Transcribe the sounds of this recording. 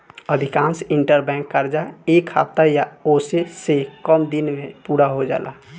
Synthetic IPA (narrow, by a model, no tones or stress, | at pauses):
əd̪ʱikãːnsiɳʈəɾbɛ̃ŋkːəɾd͡ʒaekʰa̰bt̪ajaoːsesekəmd̪inmepuːɾaɦod͡ʒa̰ːla̰